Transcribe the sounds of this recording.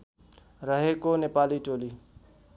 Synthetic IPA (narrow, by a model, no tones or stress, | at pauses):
ɾəɦeːkoːneːpaːliːʈoːliː